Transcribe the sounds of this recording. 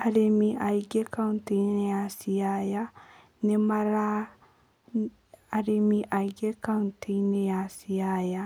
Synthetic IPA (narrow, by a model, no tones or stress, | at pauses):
aɾemiʔaiɡɛkauntenɛjasiaja | nɛmaɾa | aɾemiʔaiɡeɛkaunteinɛjasiaja